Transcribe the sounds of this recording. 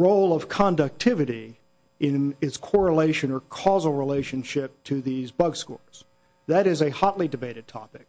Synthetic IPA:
ɹoʊlˠʌv̥kʰɑ̃ndʌk̚tʰɪvɨɾi | ɪ̃nɪtskʰɔɹəleɪʃɨ̃nə˞kʰɔzl̩ˠɹileɪʃɨ̃nʃɪp̚tʰɨðizbʌɡskɔ̰ɹz̥ | ðɨɾɨzɨhɑtˡlidɨbeɪɾɨd̚tʰɑ̰pɨk̚

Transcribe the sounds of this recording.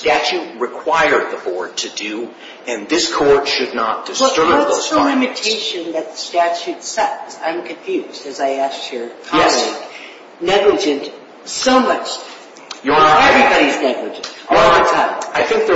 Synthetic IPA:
stæt͡ʃʉt̚ɹɨkʰw̥aɪə˞d̪̚ðəbɔɹd̚tʰɨdʉ | ɨ̃nðɪskʰɔɹdʃɨdⁿnət̚d̥ɨsɛtə˞əlɪ̃mɨtʰeɪʃɨ̃nðɨt̪̚ðəstæt͡ʃʉtsɛsã̰ɪ̃mkʰɨ̃ɱfjʉzdɨzaɪæskjə˞kʰɛliɡ | nɛɡlɨd͡ʒɨ̃nt | soʊmʌt͡ʃ | jəɛvɹibɑɾiznɛɡlɨd͡ʒɨ̃ɔlˠətʰãɪ̃maɪθɪ̃ŋk̚ðə

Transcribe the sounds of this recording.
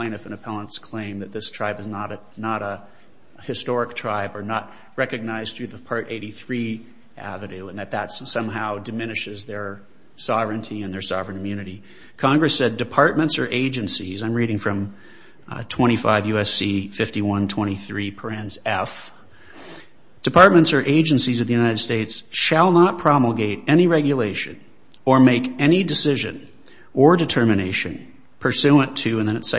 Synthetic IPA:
ẽɪ̃nɨfɨ̃nɨpʰɛlˠə̃nskʰl̥ẽɪ̃mðɨt̪̚ðɪstʰɹ̥aɪbɨznəɾ | nəɾə | hɨstɔɹɨk̚tʰɹ̥aɪbə˞nət̚ | ɹɛkɨɡ̚naɪz̥θɹʉðəpʰɑɹɾʔeɪɾiθɹi | ʔæ̰vɨɾʉə̃nðɨt̪̚ðətssʌ̃mɦaʊdɨmɪ̃nɨʃɨzðə˞ | sɑvɹɨ̃ntʰiɨ̃nðə˞sɑvɹɨ̃nɨmjʉñɨɾi | kʰɑ̃ŋɡɹɨsɛdɨpʰɑɹt̚mɨ̃ntsə˞ʔeɪd͡ʒɨ̃nsizãɪ̃mɹiɾɪ̃ŋfɹʌ̃m | tʰw̥ɛ̃ɾ̃ifa̰ɪvjʉɛsifɪftiwʌ̃ntʰw̥ɛ̃ɾ̃iθɹipʰə˞æ̃nzɛf | d̥ɨpʰɑɹt̚mɨ̃ntsə˞ʔeɪd͡ʒɨ̃nsizʌvðɨjʉnaɪɾɨd̥steɪtsʃəlˠnət̚pʰɹ̥ɑml̩ˠɡeɪɾɛñiɹɛɡjɨleɪʃɨ̰̃n | ə˞meɪkɛnidɨsɪʒɨ̰̃n | ə˞dɨtʰɜ˞mɨneɪʃɨ̰̃n | pʰə˞sʉə̃ntʰʉɨ̃nðɨ̃ñɨts

